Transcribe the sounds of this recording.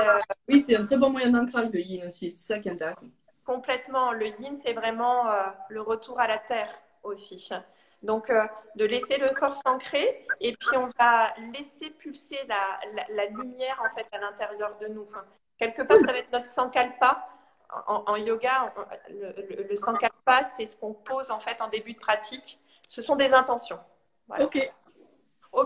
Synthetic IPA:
øwisɛɛ̃t̪χɛbɔ̃mwajɛ̃d̪ɛ̃kχaʒləjinosisɛ̥sakʲiɛ̃nt̪ɛʁɛsɑ̃ | kɔ̃plɛt̪mɑ̃ləjinsɛvʁɛmɑ̃øləʁət̪uʁalat̪ɛːʁ | osi | d̪ɔ̃kød̪əlɛseləkɔʁsɑ̃kχeepɥiɔ̃valesepylselalalalymjɛʁɑ̃fɛt̪alɛ̃t̪eʁjœʁd̪ənufɛ̃ | kʲɛlkəpaʁsavaɛt̪nɔt̪χə̥sɑ̃kalpa̰ | ɑ̃ʔɑ̃joɡa̰lələləsɑ̃kalpasɛsə̥kɔ̃pozɑ̃fɛt̪ɑ̃d̪ebyd̪əpχat̪ʰik | səsɔ̃d̪ezɛ̃t̪ɑ̃sjɔ̃ | vwa̰a | o

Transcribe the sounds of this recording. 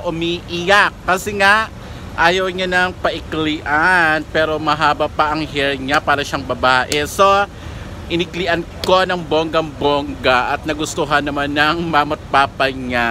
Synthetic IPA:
ʔʊmiʔɪjakːɐsɛŋaʔ | ʔaːjɐwɲanɐŋpɐʔɪkliːʔanpɛːɾo̞mɐɦaːbɐpɐʔɐŋɦɛlɲapaːɾɐʃaŋbɐbaːʔɛso̞ | ʔɪnɪɡliʔɐnko̞nɐŋboŋɡɐŋboŋɡɐʔɐt̪̚nɐɡʊst̪oɦanːɐmanːɐŋmamɐt̪̚paːpɐɲa

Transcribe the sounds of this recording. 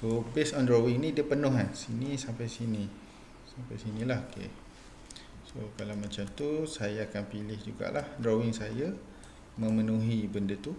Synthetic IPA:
sobesɔndɾowɪŋnĩdiəpənʊ̃ɦansinisampajsinĩ | sampajsinilahokḛ | sokalawmat͡ʃamt̪usajaːkanpilɪhd͡ʒuɡa̰ʔlahdɾowɪŋsaja | mə̃mənũɦibəndat̪u

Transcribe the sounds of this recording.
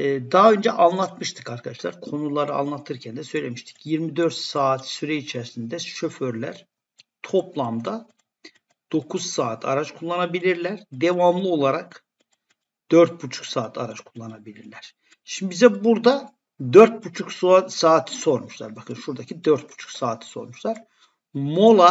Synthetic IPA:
ɛd̪aɦaø̞nd͡ʒɛʔanlˠat̪mɯʃt̪ʰɯkaɾkʰad̪aʃlˠa̰ɾkʰo̞nulˠaɾɯa̰nlˠat̪ʰɯɾcʰænd̪ɛsø̞jlʲemiʃt̪ʰi̥cjiɾmid̪øɾt̪saːt̪syɾɛit͡ʃʰæɾsind̪ɛʃøføɾlʲæ̰ɾ̥ | t̪ʰo̞plˠamd̪a | d̪̥o̞kʰuz̥saːt̪ʰa̰ɾat͡ʃkʰulˠːanabilʲiɾlʲæɾd̪evamlˠɯo̞lˠaɾak | d̪̥øɾt̪̚but͡ʃʰu̥ksaːt̪ʰaɾat͡ʃkʰulˠːanabilʲiɾlʲæɾ̥ | ʃimibizɛbuɾd̪a | d̪øɾt̪̚but͡ʃʰukssaːt̪ʰi̥so̞ɾmuʃlˠa̰ɾbakʰɯnʃuɾd̪acʰid̪øɾt̪̚bu̥t͡ʃʰu̥ksaːt̪ʰi̥so̞̰ɾmuʃlˠaɾ̥ | mo̞lˠa

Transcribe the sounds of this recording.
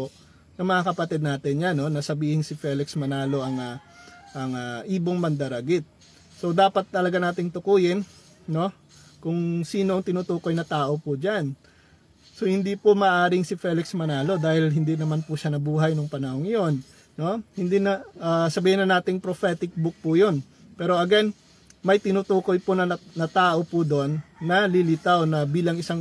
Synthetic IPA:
oʔ | nɐmɐŋakɐpɐt̪ɛd̪̚naːt̪ɪnjano̞nɐsɐbiːhɪŋsɪfɛːlɪksmɐnaːlo̞ʔɐŋɐ | ʔɐŋɐʔiːboŋmɐnd̪ɐɾɐɡɪt̪̚ | so̞d̪aːpɐt̪ːɐlɐɡanaːt̪ɪŋt̪ʊkuːjɪn | no̞ | kʊŋsiːno̞ʔɐŋt̪ɪnuːt̪uːko̞jnɐt̪aːʔo̞pʊd͡ʒan | so̞hɪnd̪ipʊmɐːʔaːɾɪŋsɪfɛːlɪksmɐnaːlo̞d̪aːhɪlɦɪnd̪inɐmanpʊʃɐnɐbuːɦɐjnʊŋpɐnɐhoŋjo̞nː | o̞hɪnd̪inɐʔasɐbiːhɪnɐnaːt̪ɪŋpɾofɛːt̪ɪk̚bʊk̚pʊjon | pɛːɾo̞ʔɐɡɛn | mɐjt̪ɪnut̪uːko̞jpʊnɐnɐt̪aːʔo̞pud̪o̞nːɐlɪlɪt̪awnɐbiːlɐŋɪsaŋ

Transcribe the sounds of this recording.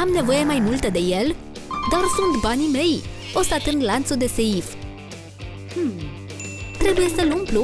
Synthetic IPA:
amne̞vo̞je̞majmult̪əd̪e̞je̞l | d̪arsunt̪banime̞j | o̞st̪at̪ɨnd̪lant̪sud̪e̞seif | m̩m | t̪ɾe̞buje̞səlumplu

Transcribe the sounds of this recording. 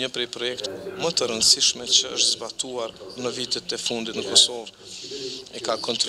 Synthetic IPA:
ɲəpɾɛjpɾɔjɛkt̪mət̪əɾənsiʃmɛt͡ɕəəʃt̪zbat̪uaɾnəvit̪ɛt̪ɛfund̪it̪nəkɔsɔv | ɛkakɔnt̪ɾ

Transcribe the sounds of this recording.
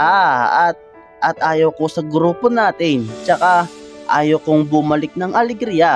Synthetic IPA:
ʔaːɐt̪̚ | ʔɐt̪̚ʔaːjowkosɐɡɾuːponaːt̪ɪnt͡ʃɐkaʔaːjowkoŋbʊmɐlɪk̚nɐŋʔɐlɛɡɾija

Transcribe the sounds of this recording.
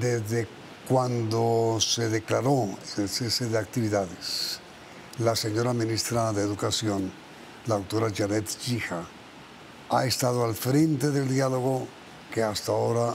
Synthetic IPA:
d̪ezðe | kwand̪oseðeklaɾoselseseðeak̚t̪iβiðaðes | laseɲo̞ɾamĩnist̪ɾaðeːðukasjo̞n | lawt̪oɾaʝaɾet̪ʝixa | a̰est̪aðoalfɾe̞nt̪eðeld̪jaloɣo | keast̪aoɾa

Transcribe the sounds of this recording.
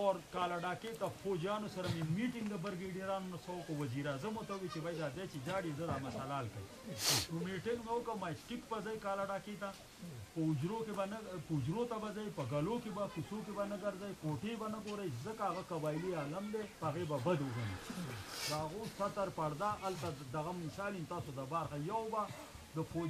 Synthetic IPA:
oɾkaːlaɖaːket̪ɐfoːd͡ʒjaːnosɐɾɐmemiːʈɪŋɡd̪ɐbɐɾɡeːɖijɾaːnonɐsɐwokowɐziːɾaːzɐmot̪ɐwit͡ʃebɐjd̪aːd̪et͡ʃed͡ʒaːɽizɐd̪aːmɐsɐlaːlkɐ̰j̰ | nomiʈɪŋɡbɐwokɐmaːsʈikbɐzɐjkaːlaɖaːket̪a | pɐʊd͡ʒɾokebɐnɐpəʊd͡ʒɾot̪abazajpəɡalokebapisok̬ebanəɡɐɾzajkoʈebanəɡoɾajzəkaːɣakabaːjlialamd̪epəaɣebabad̪wʊɡanḭd̪əaɣosat̪aɾpaɽd̪aʔːlt̪ad̪ɐɣamɪsaːlimt̪aːsod̪abaɾxajawba | d̪əpo

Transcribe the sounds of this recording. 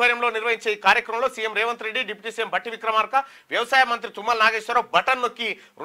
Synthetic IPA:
ʋɐɾjɐmloːniɾʋɐɦiɲt͡ʃeːiːkaːɾjɐkɾɐmɐmlo̞ːsijemɾɛːʋɐnt̪ɾe̞ɖːiɖipiʈiːsiːjembʱɐʈːiʋikɾɐmaːɾkɐ | ʋjɐʋɐsaːjɐmɐnt̪̬ɾit̪umːɐlnaːɡeːʃʋɐɾabɐʈɐnːokːi | ɾ

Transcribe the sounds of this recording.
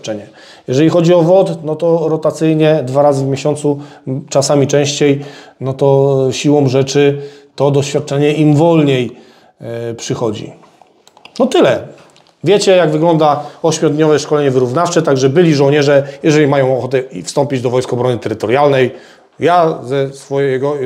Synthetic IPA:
t͡ʂɛɲɛ | jɛʐɛlʲixɔd͡ʑiɔvɔt̪nɔt̪ɔɾɔt̪at̪sɘjɲɛd̪vaɾazɘvmʲjeɕɔnt̪sut͡ʂasamʲit͡ʂɛ̃w̃ɕt͡ɕejnɔt̪ɔɕiwɔw̃ʐɛt͡ʂɘt̪ɔd̪ɔɕfʲjat̪̚t͡ʂɛɲɛimvɔlɲej | pʂɘxɔd͡ʑḭ | nɔt̪ɘlɛ | vʲjɛt͡ɕɛjaɡvɘɡlɔnd̪aɔɕmʲjɔd̪ɲɔvɛʂkɔlɛɲɛvɘɾuvnaft͡ʂɛt̪aɡʐɛbɘlʲiʐɔ̃wɲɛʐɛjɛʐɛlʲimajɔ̃w̃ɔxɔt̪ɛḭfst̪ɔmpʲid͡ʑd̪ɔvɔjskɔbɾɔnɘt̪ɛɾɘt̪ɔɾjalnɛj | jazɛsfɔjɛjɛɡɔ

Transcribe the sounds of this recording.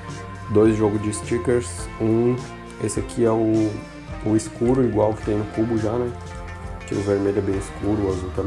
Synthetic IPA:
d̪ojzʒɔɡʊzd͡ʒɪst͡ʃikeɾsũ | esɪakʰiɛʊː | iskuɾʊiɡwawʊkt̪ẽj̃nʊkubʊʒanɛ | t͡ʃ̪ḭ̃ʊveɾmeʎʊɛbẽj̃ɪskuɾʊazut̪ɐ̃m

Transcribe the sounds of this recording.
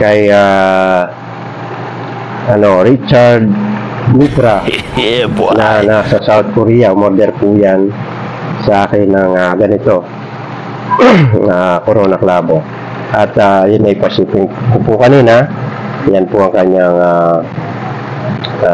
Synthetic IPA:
kɐja | ʔɐno̞ɾit͡ʃaɾd̪̚ | mipɾa | nanasɐsawt̪̚koɾijamoɾd̪ɛɾpujan | sɐʔaːkɪŋnaŋaɡɐnɪt̪o̞ | akoɾoːnaklaːbo | ʔat̪ajʊnːajpasip̪ɪŋkʊpʊkɐniːna | janpʊɐŋkaɲaŋa | a

